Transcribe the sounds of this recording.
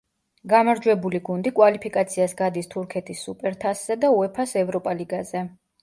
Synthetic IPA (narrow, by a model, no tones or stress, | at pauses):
ɡamaɾd͡ʒwɛbuliɡund̪ikʼwalipʰikʼat̪sʰiasɡad̪ist̪ʰuɾkʰɛt̪ʰisːupʼɛɾt̪ʰasz̥ɛd̪auɛpʰasɛvɾɔpʼaliɡazɛ